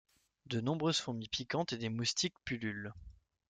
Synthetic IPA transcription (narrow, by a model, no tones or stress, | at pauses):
d̪ənɔ̃bʁøz̥fɔ̃mipikɑ̃t̪ed̪emust̪ikpylyl